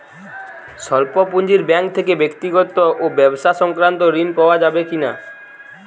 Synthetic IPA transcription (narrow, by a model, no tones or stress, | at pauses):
ʃɔlpopuɲd͡ʑiɾbɛŋk̚t̪ʰekebekt̪iɡɔt̪oʔobɛboʃaʃɔŋkɾant̪oɾinpaoad͡ʑabekina